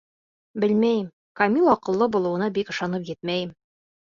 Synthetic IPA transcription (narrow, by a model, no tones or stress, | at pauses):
bɘlmæjɘm | kɐmʲilˠɒqɤ̆lˠːɤbulˠɤ̆wɤ̆nɑbikɤ̆ʃɑnɤpjɘt̪̚mæjɘm